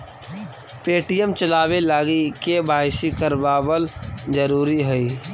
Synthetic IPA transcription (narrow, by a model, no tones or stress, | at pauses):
peːʈijəmt͡ʃəlaːwelaːɡikebaːɦɪʃikəɾbaːbəld͡ʒəɾuːɾiɦɛiː